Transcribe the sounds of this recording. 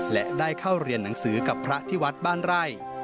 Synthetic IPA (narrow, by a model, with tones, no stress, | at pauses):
lɛ˦daː˥˩jkʰa˥˩wɾi˧ənːa˩˦ŋsɯː˩˦ka˨˩pʰːɾa˦˥ʔt̪ʰiː˥˩wa˦˥t̪̚baː˥˩nɾa˥˩j